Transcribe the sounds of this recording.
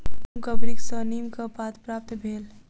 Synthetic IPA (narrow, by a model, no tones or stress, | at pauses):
mkɐbɾiksəniːmkɐpaːt̪pɾaːp̚t̪bʱeːl